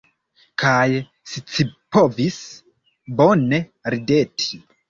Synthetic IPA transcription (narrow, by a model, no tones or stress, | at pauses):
kʰaj | ʃit͡sipo̞vis | bo̞ne̞ɾide̞tʰi̥